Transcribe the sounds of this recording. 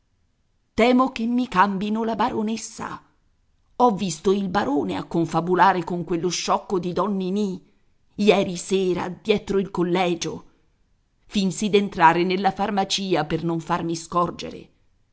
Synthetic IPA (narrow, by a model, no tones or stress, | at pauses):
t̪ɛːmokemːikambinolabaɾonesːa̰ | ɔvːist̪oilbaɾoːnea̰kːoɱfabulaːɾekoŋkwelːoʃːɔkːod̪id̪ɔnːini | jɛːɾisɛːɾa̰d̪jɛt̪ɾoilkolːɛːd͡ʒo | finsid̪ent̪ɾaːɾenelːafarmat͡ʃiːapernoɱfarmiskɔrd͡ʒḛɾḛ